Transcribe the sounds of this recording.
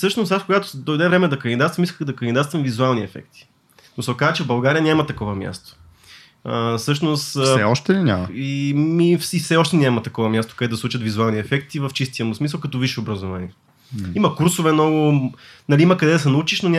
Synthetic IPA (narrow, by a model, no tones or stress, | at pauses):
sɤʃnʊsasfkoɡat̪ʊ̥d̪ojd̪ɛvɾɛmɛd̪ɐkənid̪at̪t̪vɐmiskəɣd̪ɐkənid̪at̪t̪vɐmvizualˠniɛfɛ̰k̚t̪i̥ | nosokazət͡ʃɛvbɐlˠɡaɾijənʲamɐt̪ɐkɔvɐmʲja̰st̪o̥ | əsɤʃnʊst̪sɛɔʃt̪ɛlinʲa̰məimififsɛɔʃt̪ɛnʲamɐt̪ɐkɔvɐmjast̪o̥kɐd̪ɛd̪ɐsˠut͡ʃɐt̪vizualˠniɛfɛkt̪ivəft͡ʃist̪iəmʊsmis̬əlˠkɐt̪ɔviʃɛʊbɾɐzovaniɛ | imɐkuɾsʊvɛmnɔɡʊnɐlʲiimɐkɐd̪ɛd̪ɐsɛnɐut͡ʃiʃnonʲ